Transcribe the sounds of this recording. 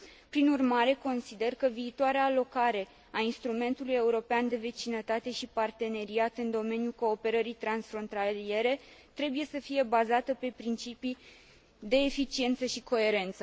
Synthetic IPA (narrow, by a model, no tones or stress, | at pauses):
pɾinurmaɾe̞ko̞nsid̪e̞rkəviːt̪oaɾeaːlo̞kaɾe̞ | ainst̪ɾume̞nt̪uluje̞uɾo̞peand̪e̞ve̞t͡ʃinət̪at̪e̞ʃipart̪e̞ne̞ɾiat̪ɨnd̪o̞me̞njulko̞ːpe̞ɾəɾijt̪ɾansfɾo̞nt̪alie̞ɾe̞t̪ɾe̞buje̞səfije̞bazat̪əpe̞pɾint͡ʃipi | d̪e̞ːfit͡ʃie̞nt̪səʃiko̞e̞ɾe̞nt̪sə